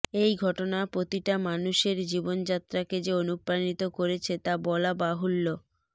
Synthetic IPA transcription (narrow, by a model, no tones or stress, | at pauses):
ejɡʱɔʈonapɾot̪iʈamanuʃeɾd͡ʑibond͡ʑat̪ːɾaked͡ʑeonupɾanit̪okoɾet͡ɕʰet̪abɔlabaɦulːo